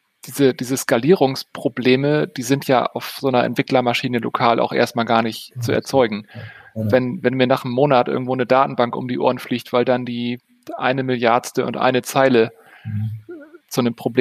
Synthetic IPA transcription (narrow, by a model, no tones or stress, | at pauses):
d̥iːzəd̥iːzəskaliːʁʊŋspʁ̥obleːməd̥iːzɪntʰja̰ːʔa̰ʊfz̥oːnɐʔɛ̰ntv̥ɪklɐmaʃiːnəlo̰kʰaːlʔa̰ʊxʔḛːɐst̚maːlɡaːɐnɪçtt͡suɛ̰ɐt͡sɔʏɡŋ̩vɛnvɛnmiːɐnaːχnəmːoːnatʔɪ̰ɐɡŋ̩tv̥oːnədaːtn̩baŋkʔʊ̰mdiːʔo̰ːɐənfliːçtv̥aɪldandiː | ʔa̰ɪnəmɪljaɐtstəʊ̰ntʔa̰ɪnət͡saɪlə | t͡sunəmpʁ̥obleː